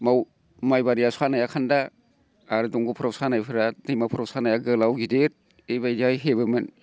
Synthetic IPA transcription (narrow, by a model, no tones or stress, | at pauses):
maw | majbaɾijasanajakʰandaː | ɾdɔŋɡupʰɾawsanajpʰɯɾadɯjmapʰɯɾawsanajaɡɯlawɡideɾ̚ | ejbajdajɦebɯmɯn